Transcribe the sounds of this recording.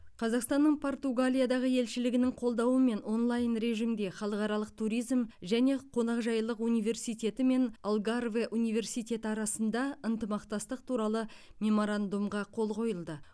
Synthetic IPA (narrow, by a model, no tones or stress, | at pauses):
qʰɑzɑqst̪ɑnːəɴpʰo̞rt̪uɡalʲijad̪ɑʁəje̞lʃɪlɪɡʲɪnɪŋqʰo̞lˠd̪ɑwəme̞no̞nlˠɑjnɾe̞ʒimd̪e̞χɑlˠəqɑɾɑlˠəq̚t̪ʰuɾijzmʒæne̞qʰo̞nɑqʒɑjlˠəqunijve̞rsijt̪ʲe̞t̪ɪme̞nalˠɡarveʔunijve̞rsijt̪ʲe̞t̪ɪɑɾɑsənd̪ɑənt̪əmɑqt̪ɑst̪əq̚t̪ʰuɾɑlˠə | mʲe̞mo̞ɾand̪umʁɑqʰo̞lˠqʰo̞jəlˠd̪ə